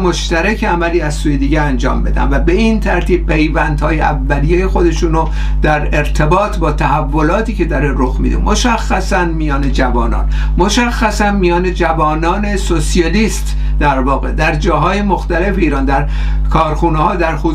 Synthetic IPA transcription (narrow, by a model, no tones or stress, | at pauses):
mo̞ʃt̪æɾækʰeæmæliːæzsuːjed̪iːɟeænd͡ʒɒ̰ːmbe̞d̪æ̰nvæbe̞int̪ʰæɾt̪ʰiːb̥̚pe̞jvænd̪hɒːjeʔævːælijejexo̞d̪e̞ʃuːno | d̪̥æɾe̞ɾt̪ʰe̞bɒːt̪ʰbɒːt̪ʰæhævːo̞lɒːt̪ʰiːce̞d̪ɒɾeɾoxmḭd̪ḛmoʃæxːæsænmijɒːne̞d͡ʒævɒːnɒ̰ːn | mo̞ʃæxːæsænmijɒːned͡ʒævɒːnɒːne̞sosiɒliːst̪ | d̪æɾvɒːɣe̞d̪æɾd͡ʒɒːɦɒːjemo̞xt̪æle̞feiːɾɒːnd̪æɾ | kʰɒːɾxuːnehɒːd̪æɾxu